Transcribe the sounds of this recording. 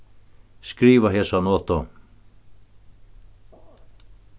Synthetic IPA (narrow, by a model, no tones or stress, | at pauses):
skɾiːʋaɦɛːsanɔːt̪ɔ